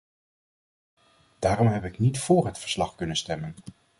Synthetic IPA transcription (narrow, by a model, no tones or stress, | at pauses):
d̥aːɾɔmɦɛpɪknitfʊːɹɦətfəɹslɑχkɵnənstɛmən